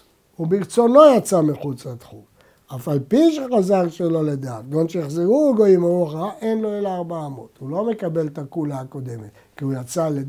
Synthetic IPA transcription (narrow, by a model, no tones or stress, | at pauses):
ubikt͡so̞no̞jat͡samiχut͡slat̪χṵm | afalpiʃeχazaʁʃelo̞led̪aːt̪̚ɡonʃejaχziʁuɡo̞imauaχaʔenloelaːʁbaːmo̞t̪ulo̞me̞kabe̞lt̪akulaako̞d̪e̞met̪ | kiujat͡sale